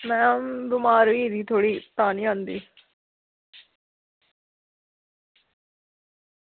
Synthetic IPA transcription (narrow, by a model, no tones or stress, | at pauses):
mɛ̃ːbɪmaːɾʋiːd̪iːt̪ʰoːɽiːt̪aːniːãːnd̪iː